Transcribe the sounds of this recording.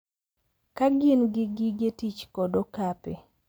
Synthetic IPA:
kaɡɪnɡɪɡɪɡetit͡ʃkɔdokape

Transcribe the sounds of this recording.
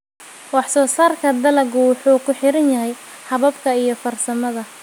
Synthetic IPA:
wɑħsɔːsaːrkʰɐd̪ɐlɐɡʊwʊħuːkʰʊħɪɾɐnjɐɦɛj | ħɐβɐbkʰɐijɞfɐrsɐmɐðɐ

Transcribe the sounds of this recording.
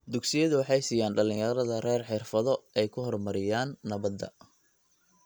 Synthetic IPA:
d̪ʊɡsɪjɐðʊwɑħɑjsiːjaːnɖɐlɪ̃ŋjɐɾɐðɐrɛːrħɪrfɐðɔɛjkʰʊɦɔrmɐɾɪjaːnːɐβɐd̪ɐ̰

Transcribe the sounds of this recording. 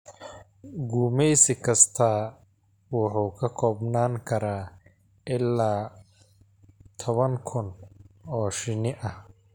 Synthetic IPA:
ɡuːmɛjsɪkʰɐst̪ʰaː | wʊħuːkʰɐkʰɔːbnaːŋkʰɐɾaː | ʔɪlaː | t̪ʰɔβɐŋkʰʊnɔːʃɪnɪʔɐh

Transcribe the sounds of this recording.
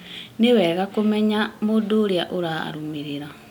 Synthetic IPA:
newɛɣakomeɲamodoɾjaʔoɾa̰ɾumiɾiɾa

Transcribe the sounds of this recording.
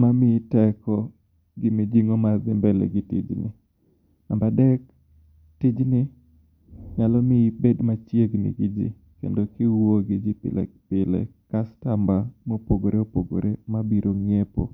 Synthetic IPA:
mamɪtɛkɔ | ɡɪmid͡ʒiŋomad̪ɪmbɛlḛɡɪtḭd͡ʒnɪ̰ | ambadɛk | tid͡ʒnɪ | ŋalɔmɪbedmat͡ʃjeɡnɪ̰ɡɪd͡ʒḭ | kḛndokɪwoɡɪd͡ʒipɪ̰lɛ̰k̚pɪlɛ̰kastambamopoɡoɾeopoɡo̰ɾemabiɾoŋepo̰

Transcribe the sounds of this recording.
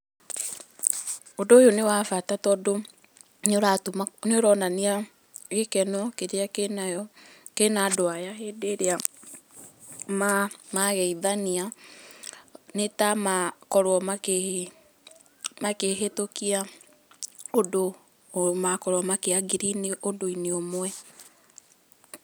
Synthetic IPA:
odojonewafatatɔːdo | noɾatoneoɾɔnania | ɣekɛnɔketeaknaɔ | kenadoajaɦedeɾea | mamaɣɛiðania | netamakɔɾwɔmae | makeɦetokia | odo | makɔɾwɔmakeaɡiɾineʔodoineomwɛ

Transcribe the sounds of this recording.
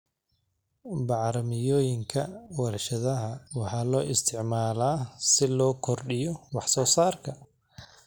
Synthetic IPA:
bɑʕɾɐmɪjɔːjɪŋkʰɐwɐrʃɐðɐɦɐwɑħɑːlɔːʔɪst̪ʰɪʕmaːlaːsɪlɔːkʰɔrɖɪjɔwɑħsɔːsaːrkʰɐ

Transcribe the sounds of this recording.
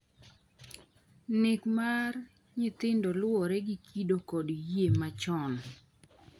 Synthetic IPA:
nɪkmar | ɲɪt̪ɪndɔlwɔɾɛɡikʰidokodjjemat͡ʃɔn

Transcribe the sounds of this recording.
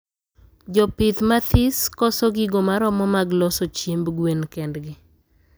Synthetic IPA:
d͡ʒɔpɪt̪mat̪ʰɪskɔsɔɡɪɡomaɾɔmɔmaɡlɔsot͡ʃjembɡwenkɛndɡɪ

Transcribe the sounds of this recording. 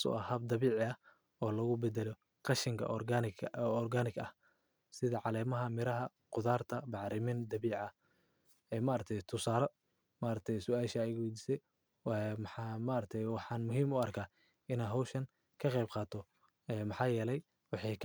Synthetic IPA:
sʊ̰ʔɐhɐbd̪ɑβiːʕɪɐ | ɔːlɐɣʊbɛd̪ɛlɔ | qɑʃɪŋkʰɐ̰ʔaɔrɡaːnɪɡɐ̰h | sɪðɐʕɑlɛːmɐɦɐmɪɾɐɦɐ | qʊðaːrt̪ʰɐbɑʕɾɪmɪnd̪ɐβiːʕɐ | ɛːmaːɾɐkt̪ʰɛjt̪ʰʊsaːɾɔ | maːɾɐk̚t̪ʰɛjsʊaːʃɐːjwɛjd̪iːsɛj | ɛmħmaːɾɐk̚t̪ʰɛjwɑħɑːnmʊɦiːmʊɐrkʰaː | ɪnaɦɔwʃɐn | kʰɐqɛjbqɑːt̪ʰɔ | ɛːmɑħɑːjɛːlɛj | wɑħɑj

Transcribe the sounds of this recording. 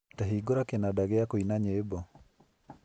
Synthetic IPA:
taɦiːɡoɾakenadaɣɛakoinaɲeːbɔ

